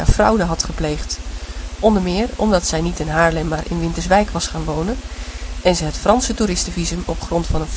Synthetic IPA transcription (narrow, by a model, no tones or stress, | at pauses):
a̰frʌ̰wdəɦɑtχəplejχtʔɔndəmɪːrɔ̰mdɑtsɛjnitɪnɦaːɹlɛmːaːɹʔɪ̰nʋɪntəɹzʋɛjkʋɑsχaːnʋownənɛnzəɦətfrɑnsətuɾɪstəvizəmɔpχrɔntfɑnən